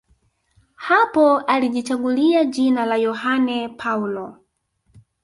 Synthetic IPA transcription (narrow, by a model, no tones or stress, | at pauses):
hapɔaliʄit͡ʃaɠuliaʄinalajɔhanɛpʰaulɔ